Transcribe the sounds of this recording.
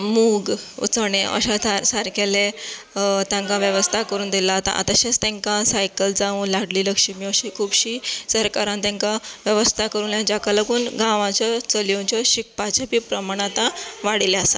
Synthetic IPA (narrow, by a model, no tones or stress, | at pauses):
muɡṵt͡səɽeʔə̰ɕat̪asaɾkele | t̪jãŋkãʋjəʋəst̪ʰakəɾuːnd̪ilat̪ã̰ʔa̰t̪əɕat͡st̪ẽŋkãsajkəld͡zãũlaɽliːləkʂimiəɕiːkʰuːbɕiːsəɾkaɾãnt̪jãŋkaʋjəʋəst̪ʰakəɾũːnljãd͡ʑakaləɡuːnɡãʋãt͡ɕɔt͡səljõt͡ɕɔɕik̚pat͡ɕapiːpɾəmaɽ̃at̪ãʋaɽileasa